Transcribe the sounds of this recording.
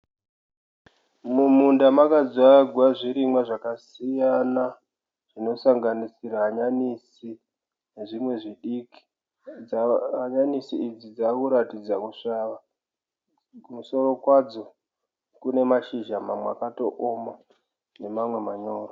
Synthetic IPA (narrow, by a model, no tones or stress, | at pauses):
mumundamakad͡zwaɡʱwaʐiɾimwaʐakasijana | ʐ̥ino̞saŋɡanisiɾaːɲanisi | ne̞ʐimwe̞ʐiɗiːki̥ | aɲanisiid͡zid͡zakuɾatid͡zakuʂaʋa | kumuso̞ɾo̞kwad͡zo̞ | kune̞maʃiʒamamwakato̞ʔoma | ne̞mamwe̞maɲo̞ːro